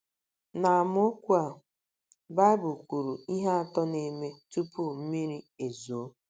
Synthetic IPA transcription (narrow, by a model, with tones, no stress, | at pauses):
na˨a˨mʊ˦o˦kʷu˦a˨ | ba˦bʊ˨kʷu˨ɾu˨i˦ɦa˦a˨tɔ˦ne˨me˦tu˦pu˦˨m̩˦mi˦ɾi˦e˨zo˨o˦